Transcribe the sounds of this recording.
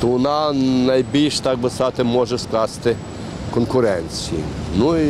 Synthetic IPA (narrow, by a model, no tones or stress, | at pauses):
t̪ɔʊnanɐjbʲilʲʃt̪ak̚bɪsat̪ɪmɔʒɛsklˠɑst̪ɪ | kɔnkʊɾɛnʲt͡sʲijḭnui